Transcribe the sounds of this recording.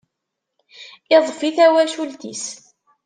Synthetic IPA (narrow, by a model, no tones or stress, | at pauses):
ɪðˤfiθæwælʃult̪ḭs